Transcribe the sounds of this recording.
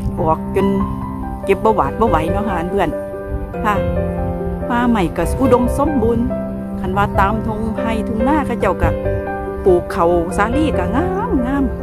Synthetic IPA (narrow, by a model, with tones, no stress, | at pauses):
ʔɔː˨˩˦k̚t͡ɕo˧n | ke˧˦p̚bɔː˧˩waː˨˦t̪̚bɔː˧˨wa˨˦jnɔː˧˦haː˨npʰɯ˧˩ən | tʰa˧˩ | maː˧ma˧˩jka˧˩ʔuː˧˨do˧mso˧˥˨mbuː˧n | kʰa˧˩nwaː˧t̪aː˨˧˦mt̪ʰo˧ŋha˧˩jt̪ʰu˧˨ŋnaː˧˥˨kʰa˧˩wt͡ɕa˧˩wka˧˩ | puː˨˦kʰːa˨˩wsaː˧˦liː˧˥˨ka˧˩ŋaː˧˨mŋaː˧˥˨m